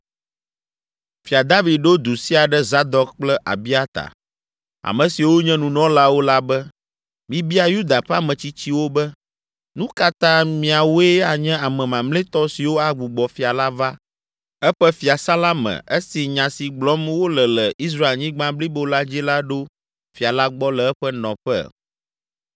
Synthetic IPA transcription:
fi˨a˨d̪a˦vi˨d̪̚ɖo˦d̪u˨si˦a˨ɖɛ˦za˦d̪ɔ˦k̚k͡plɛ˦ʔa̰˨bi˦a˦t̪a̰˨ | a̰˨mɛ̃˨si˨wo˦ɲɛ̃˦nũ˨nɔ̃˦la˦wo˦la˦bɛ˦ | mĩ˨bi˦a˨ju˦d̪a˨ɸa˦mɛ̃˨t͡ɕi˦t͡ɕi˦wo˦bɛ˦ | nũ˦ka˦t̪ã˦mĩ˨a˨wo˦ɛ˦a˨ɲɛ̃˦a˨mɛ̃˨mã˨mlẽ˦t̪ɔ˦si˨wo˦a˨ɡ͡bu˨ɡ͡bɔ˨fi˨a˨la˦va˦ | ɛ˦ɸɛ˦fi˨a˨sa˦la˦mɛ̰̃˨ɛ˦si˨ɲã˨si˨ɡ͡blɔ˦mwo˦lɛ˨lɛ˨ʔi˦s̬ɾa˦e˨lɲĩ˦ɡ͡bã˦bli˦bo˦la˦d͡ʑi˦la˦ɖo˦ | fi˨a˨la˦ɡ͡bɔ˦lɛ˨ɛ˦ɸɛ˦nɔ̰̃˨ɸɛ̰˦

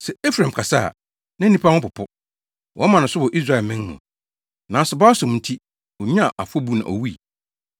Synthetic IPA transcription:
sɛ˨e˦fɾã˨m˨kʰa˨sa̰˦˨ | nã˦nĩ˦pʰa˦nʊ̃˦pʊ˨pʰʊ˦ | wʔɔ̰˦mã˨nʊ̃˨sʊ˦wɔ˨ʔi˦s̬ɾa˦˨ɛ˨lmɪ̃˦nː˦ʊ̰̃˨ | nã˨sʊ˨ba˦sʊ̃˨m˨n̩˨tʰi˦ | wɔ˨ɲ˦ã˦˨ʔa˨fʊ˦ɔ˦bu˦nã̰˨ɔ̰˨wi˦i˨

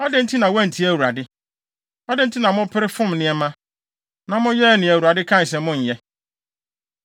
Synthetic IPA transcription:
ɔ˦dɪ˦n̩˦tʰi˦nã˨wɛ̃˦n̩˨tʰi˦æ˨wu˨ɾa˨dɪ˦ | ɔ˦dɪ˦n̩˦tʰɪ˦nã˨mʊ̃˦pʰɪ˦ɾɪ˦fʊ̃˦mnɪ̃˨˦ɛ˦mã˦ | nã˨mʊ̃˦jɛ˦˨nɪ̃˨æ˨wu˨ɾa˨dɪ˦kʰã˦n˨s̬ɛ̃˨˦mʊ̃˦˨ɲ̩˨jɛ˦

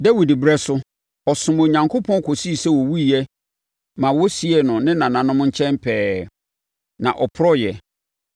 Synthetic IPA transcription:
dɛ˦wi˨dɪ˨bɾɛ˦sʊ˦ | ɔ˨sʊ̃˨mo˨ɲã˨ŋkʰo˦pʰɔ̃˦kʰo˨si˦˨sɛ˦˨wɔ˨wu˦˨jɛ˦ | mã˨wɔ˦si˦ɛ˨nʊ̃˨nɪ̃˦nã˨nã˨nʊ̃˦mʊ̃˦ɲ̩˦t͡ɕʰɛ̃˦mpʰɛː˨˦ | nã̰˨ʔɔ˨pʰɾɔ˦jɛ˨

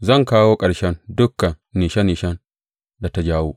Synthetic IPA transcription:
zɐ˦˨ŋkaː˦woː˦kʼɐ˨ɽʃɛ˦ndʊ˦kːa˨nːiː˨ʃɛ˦niː˨ʃɛ˦n | da˨ta˦d͡ʒaː˦wuː˦

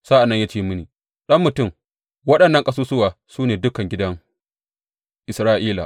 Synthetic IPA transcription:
sa˦ʔa˨nːɐ˦ɲjaː˦t͡ʃeː˦mʊ˦niː˨ | ɗɐ˦mːʊ˨tʊ˦˨m | wɐ˦ɗɐ˨nːɐ˦ŋkʼɐ˦suː˦sʊ˦waː˨suː˦neː˨dʊ˦kɐ˨ŋɡʲɪ˦dɐ˦ŋ | ʔɪ˨sɾaː˦ʔiː˦la̰˨ʔ

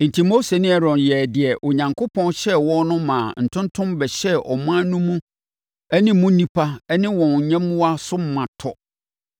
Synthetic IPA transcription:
n̩˨tʰi˨mo˦se˨nɪ̃˦ɛ˨ɾɔ̃˨njɛ˨dɪ˨ɛ˨ʔo˨ɲã˨ŋkʰʊ˦pʰɔ̃˦nɕɛ˦wɔ̃˦nʊ̃˦mãː˨n̩˨tʰʊ̃˦ntʰʊ̃˦mbɛ˨ɕɛ˦ʔɔ̰˨mʊ̃˦a˦nũ˦mũ˦ | ɛ˦nɪ̃˦mũ˦nĩ˦pʰa˦ɛ˦nɪ̃˦wɔ̃˨n˨ɲɛ̃˦mːũ˦a˦sʊ˦m˦mã˨tʰɔ˨

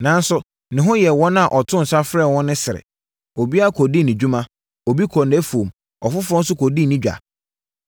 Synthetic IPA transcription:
nã˨n̩˦sʊ˦ | nɪ̃˨ɦʊ̃˦jɛ˨wɔ̃˦n˦ã˨ʔɔ˨tʰʊ̃˦n̩˨sa˦fɾɛ˦˨wɔ̃˦nːʊ̃˦sɪ˨ɾɪ̰˨ | o˨bi˦a˦˨kʰo˨di˦nɪ̃˨d͡ʑᶣu˦mã˦ | o˨bi˦kʰɔ˨nɛ˦fu˨o˨m | ɔ˨fʊ˦fʊɾɔ̃˦n˦sʊ˦kʰo˨di˦˨nĩ˦d͡ʑᶣa̰˨

